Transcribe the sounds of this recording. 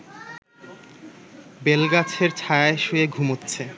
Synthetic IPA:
belɡat͡ɕʰeɾt͡ɕʰajaeʃueɡʱumotːɕʰe

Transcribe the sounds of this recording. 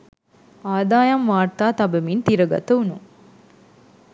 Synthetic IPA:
aːd̪aːjɐmʋaːrt̪aːt̪ɐbɐmint̪iɾɐɡɐ̰t̪ɐunuŋ

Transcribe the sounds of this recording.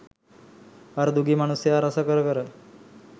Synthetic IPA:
aɾd̪uɡimaɽ̃useaɾəsakəɾkəɾa

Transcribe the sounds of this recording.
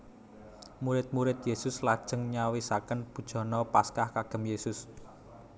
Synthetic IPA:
muɾɪt̪̚muɾɪt̪̚jesʊslad̥ʒ̥ə̤ŋɲawisakənb̥ṳd̥ʒ̥ɔ̤nɔpaskahkaɡ̥ə̤mjesʊs

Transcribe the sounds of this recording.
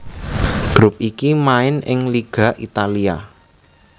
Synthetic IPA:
ɡ̥ɾʊp̚ʔikimaɪnɪ̰ŋliɡ̥a̤ʔit̪alia̰

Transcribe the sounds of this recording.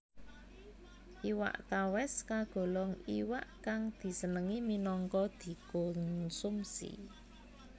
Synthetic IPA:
ʔiwa̰ʔt̪awɛskaɡ̥o̤lɔŋiwa̰ʔkaŋd̪̥i̤sənəŋiminɔŋkɔd̪̥i̤konsumsḭ

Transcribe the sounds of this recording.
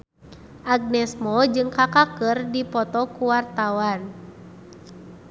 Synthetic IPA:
ʔaɡ̚nɛsmɔd͡ʒɨŋkakakɨrdipɔt̪ɔkuwart̪awan

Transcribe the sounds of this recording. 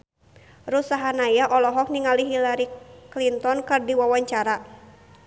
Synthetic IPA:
rusaɦanajaʔɔlɔɦɔk̚niŋaliɦilaɾiklint̪ɔnkɨrdiwawaɲt͡ʃaɾa

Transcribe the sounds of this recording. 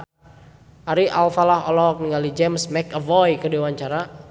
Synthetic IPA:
aɾiʔalfalaɦɔlɔk̚niŋalid͡ʒɛmsmɛkəvɔjkədewaɲt͡ʃaɾa

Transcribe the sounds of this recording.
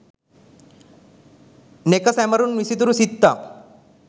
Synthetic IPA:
nekəsɛməɾuːnʋisit̪uɾusit̪ːa

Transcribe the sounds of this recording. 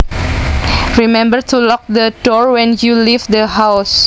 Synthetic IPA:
ɹimɛ̃mbərt̪ʰulɔk̚dədɔɹwɛ̃njulivd̪əɦaws

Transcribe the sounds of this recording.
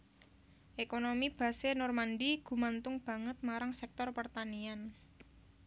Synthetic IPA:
ʔekonomib̥ä̤senɔrmandiɡ̥ṳmant̪ʊŋb̥a̤ŋət̪̚maɾaŋsɛk̚t̪ɔrpərt̪anian

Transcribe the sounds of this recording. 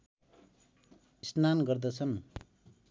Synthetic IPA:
isnanɡʌrd̪ʌt͡sʰʌn

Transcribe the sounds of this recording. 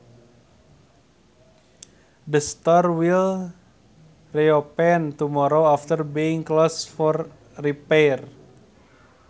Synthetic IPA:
dəst̪ɔrwil | riopɛnt̪umɔɾoaft̪ərbiiŋklosfɔr | ripɛr

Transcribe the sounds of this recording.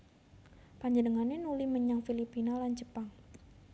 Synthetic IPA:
paɲd͡ʒədəŋanenuliməɲaŋfilipinalant͡ʃəpaŋ

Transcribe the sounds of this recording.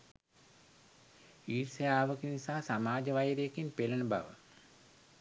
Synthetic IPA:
iːrsɐjaːʋəkinisaːsamaːd͡ʒəʋajɾjekinpelənəba̰ʋə̰

